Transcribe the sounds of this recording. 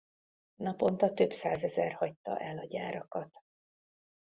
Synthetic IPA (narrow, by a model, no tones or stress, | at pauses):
nɒpo̞nt̪ɒt̪ø̞bsaːzɛzɛrhɒct̪ːɒ̰ʔɛlɒɟaːɾɒkɒt̪